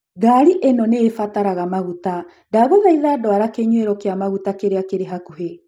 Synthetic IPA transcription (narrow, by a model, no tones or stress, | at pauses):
ɡaɾiʔenɔneːfataɾaɣamaɣuta | daɣoðaiðaːdɔaɾakeɲweɾɔkeamaɣutakeɾeakeɾeɦakuɦe